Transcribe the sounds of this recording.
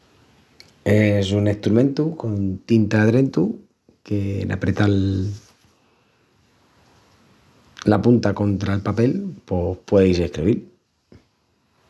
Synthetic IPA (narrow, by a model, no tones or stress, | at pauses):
e̞sune̞ht̪ɾumẽ̞nt̪uko̞nt̪int̪aðɾe̞nt̪u | ke̞̰nʔa̰pɾe̞t̪al | lapunt̪ako̞nt̪ɾaelpape̞lpo̞hpweðejs̬e̞hkɾiβil